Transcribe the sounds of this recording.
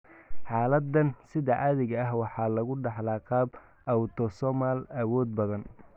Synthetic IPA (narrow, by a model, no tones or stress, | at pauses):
ħɑːlɐd̪ɐnsɪðɐʔɐðɪɣɐɐɦwɑħɑːlɐɣʊɖɑħlɑːqɑːb | ʔɐwt̪ʰɔsɔmaːlɐwɔːd̪̚bɐðɐn